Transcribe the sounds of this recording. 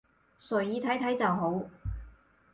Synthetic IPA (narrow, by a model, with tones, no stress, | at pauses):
sɵ˨ɥjiː˨˧t̪ʰɐ˨˥jt̪ʰɐ˨˥jt͡sɐ˨wɦo˨˥w